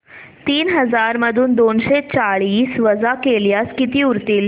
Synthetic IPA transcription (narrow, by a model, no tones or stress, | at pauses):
t̪iːnɦəd͡zaɾməd̪ʱuːnd̪onɕet͡saɭiːsʋəd͡zakeljaskit̪iːuɾt̪iːl